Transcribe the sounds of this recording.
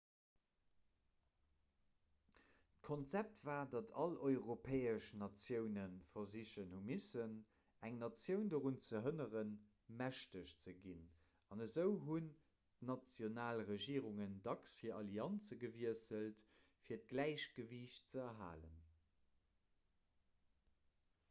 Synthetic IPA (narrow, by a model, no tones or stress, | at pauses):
tkʰont͡sæp̚tv̥aːdɑtʰɑlɔʏʁopʰɛːəʃnɑt͡sjəʊnənfɐziʃənhumisən | æŋnɑt͡sjəʊndəʁunt͡səɦənəʁən | mæʃtəɕt͡səɡin | ɑnəzəʊɦun | nɑt͡sjonaːlʁəʒiːʁuŋəndɑksfiːɐʔɑliɑnt͡səɡəviəsəltfiːɐt̚ɡ̥læɪɕɡ̥əviɕt͡səɛɦa̰ːlən